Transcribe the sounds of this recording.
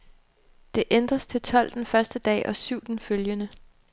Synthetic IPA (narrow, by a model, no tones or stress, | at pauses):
d̥e̝ʔend̥ʁɐst͡sʰe̝lt͡sʰɒ̽l̰d̥enfɶɐsd̥əd̥ɛ̰ːʔɒ̽syʊd̥n̩føljənə